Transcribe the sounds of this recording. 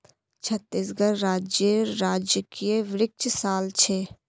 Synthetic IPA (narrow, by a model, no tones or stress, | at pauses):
t͡ʃʰɐt̪ːisɡəɾɾaːd͡ʒjəɾaːd͡ʒjəkieʋɪɾɪk̚t͡ʃʰsaːlt͡ʃʰeː